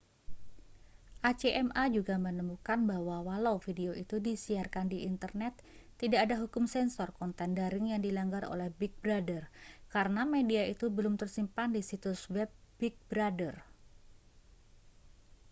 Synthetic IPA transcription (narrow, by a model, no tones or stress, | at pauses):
ʔat͡ʃeʔɛmʔad͡ʒuɡamənəmukanbahwawalawfideoʔit̪udisiarkandiint̪ərnɛt̪ː | idaʔːdaɦukʊmsɛnsɔrkɔnt̪ɛndaɾɪŋjaŋdilaŋɡarʔo̰lɛhbɪk̚bɾadərkaɾənamediait̪ubəlʊmt̪ərsimpandisit̪ʊswɛb̚bɪk̚bɾadər